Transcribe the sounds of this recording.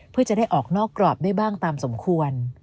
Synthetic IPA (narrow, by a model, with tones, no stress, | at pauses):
pʰɯ˥˩ɐt͡ɕa˨˩da˥˩jʔɔː˨˩k̚nɔː˥˩kːɾɔː˨˩p̚da˥˩jbaː˥˩ŋt̪aː˧mso˩˦mkʰu˧ən